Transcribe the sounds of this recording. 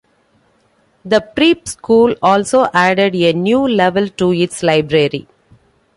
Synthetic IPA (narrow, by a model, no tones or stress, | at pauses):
d̪əpɾiːpskuːlɔːlsoːʔæːɖeɖenjuːlɛʋəlʈuɪʈslaɪbɾeɾḭ